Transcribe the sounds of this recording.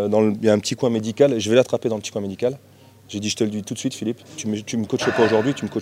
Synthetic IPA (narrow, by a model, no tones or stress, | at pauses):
d̪ɑ̃ləjaɛ̃pət̪ikwɛ̃med̪ikʲalʒəvɛlat̪χaped̪ɑ̃ləpət̪i̥kwɛ̃med̪ikʲal | ʒed̪iʒə̥t̪ələd̪ɥit̪ut̪sɥit̪filipt̪ymət̪yməkɔt͡ʃəpaoʒuʁd̪ɥit̪yməkɔ